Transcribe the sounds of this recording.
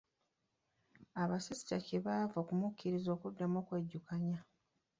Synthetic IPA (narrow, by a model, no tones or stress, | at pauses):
aβasisi̥taceβaːvoːkumucːiɾizo̞ːkudːamokweɟːukaɲa